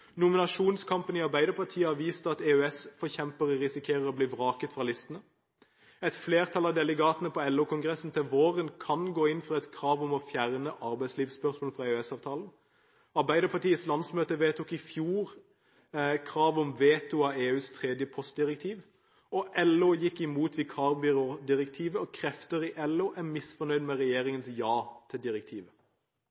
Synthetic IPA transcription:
nʊmɪnɑʂuːnskʰɑmpənɪɑɾbæɪd̪əpʰɑʁʈ̪ʰiːəhɑʋiːst̪əɑt̪eœɛsfɔçɛmpəʁəʁɪsɪkʰeːʁəɾɔbliːʋʁɑːkət̪fʁɑlɪst̪ənə | ɛt̪fleːʁt̪ʰɑlɑʋd̪ɛləɡɑːt̪ənəpʰɔɛlːuːkʰʊŋɡʁɛsn̩t̪ʰɪlʋoːʁənkʰɑnɡoːɪnfʁɑɛt̪kʰʁɑːʋɔmɔfjæʁnəʔɑʁbæɪsliːʋspœʁsmoːlfʁɑeœɛsɑːʋt̪ʰɑːln̩ | ɑʁbæɪd̪əpʰɑt̪iːəslɑnsmøːt̪əʋeːt̪ʰʊkɪfjuːʁ | kʰʁɑːʋɔmʋeːt̪ʊɑeːʉːst̪ʰʁɛd̪jəpʰɔst̪̚d̪ɪʁɛk̚t̪ʰiːʋ | ɔʔɛloːjɪkːɪmuːt̪ʋɪkʰɑːʁbʏʁoːd̪ɪʁɛkt̪ʰiːʋəɔkʰɾɛft̪əɾɪʔɛloːʔæmɪsfɔnœʏd̪mɛʁɛjeːʁɪŋənsjɑːt̪ʰɪld̪ɪʁɛk̚t̪ʰiːʋə

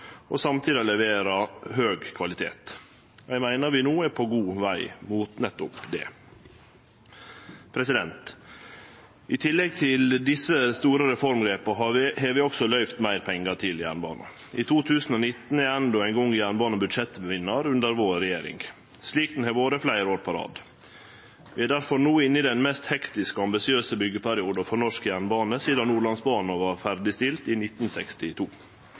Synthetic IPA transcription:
osɑmt̪ʰiːd̪ɪɑlɛʋeːɾɑɦøːɡkʰʋɑlɪt̪ʰḛːt̪ | jæɪmæɪnəɾʋɪnuːəpʰoɡuːʋæɪmuːt̪nət̪ʊpd̪ɛ̰ː | pʰɾɛsɪd̪ɛnt̪ | ʔɪt̪ʰɪlːɛɡ̚t̪ʰɪld̪ɪsːəst̪uːɾəɾɛfɔɾmɡɾeːpəɦeʋɪːɔksɔlœʏft̪mæɪɾpʰɛŋːəʈʰɪljæ̰ɳbɑ̰ːnə̰ | ʔɪt̪ʰuːt̪ʰʉːsn̩onɪt̪n̩ɛænd̪ɔæɪnɡɔŋːjæɾɳbɑːnəbʉd̪ʂɛt̪ːbəʋɪnːəɾʉnd̪əɾʋoːɾːɛjeːɾɪ̰ŋ | sliːkt̪n̩hɛʋoːɾəflæɪɾoːɾpʰɑɾɑ̰ːd̪ | ʋɪːæɖ̪æɾfɔɾnuːɪnːɪd̪ɛnmɛst̪hɛkt̪ɪskəɑmbɪsɪøːsəbʏɡːəpʰæɾɪuːd̪əfɔɾɳɔʂkjæɾɳbɑːnəsiːd̪ɑnuːɭɑnsbɑːnəʋɑɾfæɾɖɪst̪ɪlt̪ɪːnɪt̪n̩sɛkst̪ɪt̪ʰuː

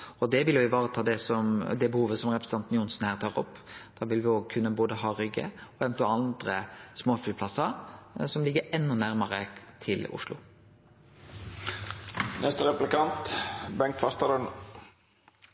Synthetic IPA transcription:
ɔd̪ɛʋɪljʊɪʋɑːɾət̪ʰɑːd̪ɛsɔmd̪ɛbəhuːʋəsɔmʁɛpɾsə̥t̪ɑnt̪njʊnsn̩hæːʁt̪ʰɑːʁɔ̰pːd̪̥æːʋɪlʋɪoːɡ̚kʰʉnːəboːd̪əɦɑːɾʏɡːə̰ɔɛnt̪ʰuɑnd̪ɾəsmoːfyːlpʰlɑsəɾsɔmlɪɡəɾɛnːʊnæɾməɾət̪ʰɪlʊ̰ʂlʊ̰ | nɛst̪əʁɛplɪkɑnt̪bɛŋkt̪fɑst̪ɑɾən

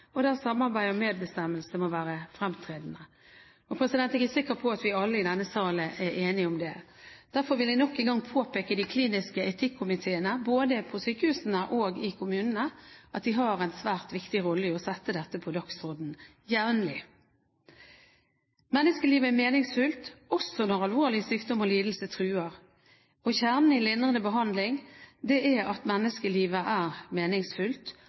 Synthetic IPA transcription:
ɔd̪æːsɑmːɑɾbæɪɔmeːd̪̚bəst̪ɛmːəlsəmɔʋæːɾəfɾɛmt̪ʰʁeːd̪n̩ə | ɔpʰɾɛsɪd̪ɛnt̪ɛɡəsɪkːəpʰɔɑt̪ʋɪɑlːəɪd̪ɛnːəsɑːləʔɛʔeːnɪɔmd̪ɛ | d̪̥æʁfɔɾʋɪld̪ɪnɔkːɪɡɑŋpʰoːpeːkəd̪ɪkʰliːnɪskəʔɛt̪ʰɪkʰːʊmɪt̪ʰeːənəboːd̪əpʰɔsyːkəhʉːsənəʔoːɡɪkʰʊmʉːnənəʔɑt̪̚d̪ɪɦɑːʁɛɪnsʋæːʁt̪ʋɪkt̪ɪʁɔlːəɪɔsɛt̪ːəd̪ɛt̪ːəpʰɔd̪ɑksʁɔd̪n̩ | jæːʋənlɪ | mɛnːəskəliːʋəæmeːnɪŋsfʏlt̪ɔsɔnɔʁɑlʋoːʁlɪəsyːkd̪ɔmɔliːd̪l̩sət̪ʰʁʉːəʁ | ɔçæʁnn̩ɪlɪnʁənəbəɦɑnd̪lɪŋd̪ɛʔɛɑt̪mɛnːəskəliːʋəʔæːʁmeːnɪŋsfʉlt̪

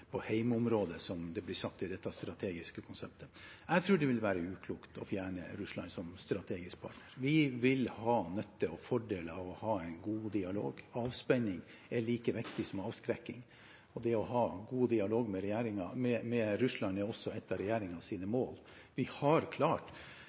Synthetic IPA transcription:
pʰɔhæɪmʊmɾoːd̪əsɔmd̪ɛblɪsɑk̚t̪ɪd̪ɛt̪ːɑst̪ɾɑt̪ʰeːɡɪskəkʰʊnsɛp̚t̪ʰəɛɡt̪ʰɾʉːɖɛʋɪlʋæːɾəʉːkʰluːkt̪ɔfjæːɳə̰ɾʉslɑ̰nsɔmst̪ɾɑt̪ʰeːɡɪsk̚pʰɑ̰ːʈnəɾʋɪʋɪlhɑːnœt̪ːəɔfɔɖeːləɑʋɔhɑːæɪnɡuːd̪ɪɑlo̰ːɡɑːʋspɛɲːɪŋ | æɭiːkəʋɪkt̪ɪsɔmɑːʋskɾɛkːɪŋ | ɔd̪ɛɔɦɑːɡuːd̪ɪɑloːɡmɛɾɛjæːɾɪŋɑmɛmɛɾʉslɑnəɔsːɔɛt̪ːɑɾɛjæːɾɪŋɑsiːnəmoːl | ʋɪhɑɾkʰlɑːʈ

